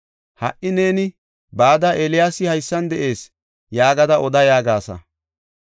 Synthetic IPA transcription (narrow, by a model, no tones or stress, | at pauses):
hɐ̰ʔɪne̞ːnɪ | baːd̪ɐʔelɪjaːsɪhɐjsːɐnd̪ɛʔe̞ːs | jaːɡɐd̪ɐʔɔd̪ɐjaːɡaːsɐ̰